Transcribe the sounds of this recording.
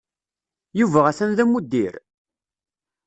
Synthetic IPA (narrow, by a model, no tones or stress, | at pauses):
juvæʁæθænðæmːud̪ːiɾ